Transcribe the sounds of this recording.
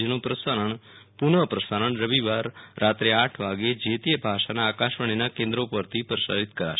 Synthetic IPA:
d͡ʒnũpɾəsaɾəɳ | punəpɾəsaɾəɳɾəʋiʋaɾːat̪ɾeaʈʰʋaɡed͡ʒet̪ijəbʱaʃanaːkaʃəɳ̃inakẽnd̪ɾopəɾt̪ʰipɾəsa̰ɾit̪kəɾa̰ʃ

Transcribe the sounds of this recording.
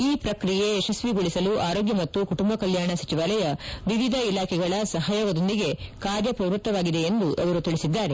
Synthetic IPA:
iːpɾɐkɾije̞ːʃɐsʋiɡuɭisɐluʔaːɾoːɡjɐmɐt̪ːukuʈumbɐkɐljaːɳɐsɐt͡ʃiʋaːlɐjɐʋiʋid̪ʱɐilaːkʰɛɡɐɭɐsɐɦaːjɐʋɐd̪o̞nd̪iɡe̞kaːɾjɐpɾɐʋɾut̪ːɐʋaːɡid̪e̞ːnd̪uʔɐʋɐɾut̪iɭisid̪ːaːɾe̞

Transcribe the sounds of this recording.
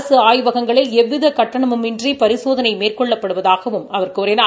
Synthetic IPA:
sɯaːjʋɐɣɐŋɡɐɭɪlɛʋːɪðɐkɐʈːɐɳɐmɯmɪndripɐɾɪsoːðɐnɐɪmeːrkɔɭːɐpːɐɽɯʋɐðaːɣɐʋɯmɐʋɐrkɯʊɾɐnɐ

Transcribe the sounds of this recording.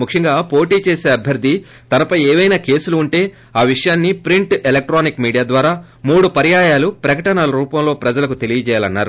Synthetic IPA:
mukʂiŋɡaːpo̞ːʈiːt͡ʃeːseːɐbʱjɐɾd̪ʱːi | t̪ɐnɐpɐjɛːʋɐjnaːke̞ːsuluːɳʈe̞ː | aːʋiʂɐjaːnːipɾiɳʈelɐk̚ʈɾaːnikmiːɽijaːd̪ʋaːɾaː | muːɽupɐɾjaːjaːlupɾɐkɐʈɐnalɐɾuːpɐmlo̞ːpɾɐd͡ʒɐlɐkut̪e̞lijɐt͡ʃɛːjaːlɐnːa̰ːɾu

